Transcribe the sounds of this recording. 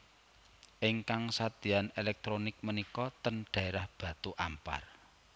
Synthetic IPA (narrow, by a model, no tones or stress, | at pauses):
ʔɪŋkaŋsad̪̥i̤anelɛk̚t̪ɾonɪk̚mənikɔt̪ənɖ̥a̤eɾahb̥a̤t̪uʔampa̰r